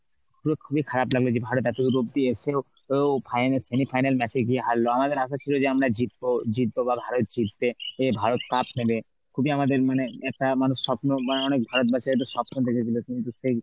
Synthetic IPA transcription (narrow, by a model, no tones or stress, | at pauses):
puɾekʰubikʰaɾablaɡlod͡ʑebʱaɾot̪ɛt̪ekuɾob̚d̪ieseo | ewpʰajnsemipʰajnalmɛt͡ɕʰeɡieɦalːoamad̪eɾaʃat͡ɕʰilod͡ʒeamɾad͡ʑit̪̚bod͡ʑit̪̚bobabʱaɾot̪̚d͡ʑit̪̚beebʱaɾot̪kapnebe | kʰubiamad̪eɾmaneɛk̚ʈamanusːɔpnomaneɔnek̚bʱaɾot̪̚bat͡ɕːaɾet̪̬usɔpnod̪ekʰet͡ʃʰilokint̪use